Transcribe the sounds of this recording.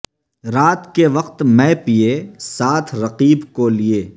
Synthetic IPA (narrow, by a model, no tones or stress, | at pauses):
ɾaːt̪keʋɐqt̪mɛ̃piesaːt̪ʰɾɐqiːbkolieː